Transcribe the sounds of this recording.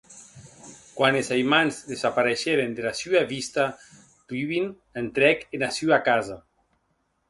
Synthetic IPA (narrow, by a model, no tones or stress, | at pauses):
kwanezajmanzðezapaɾeʃeɾend̪elasyaβist̪a | t̪iβin | ent̪ɾɛkenasyakaza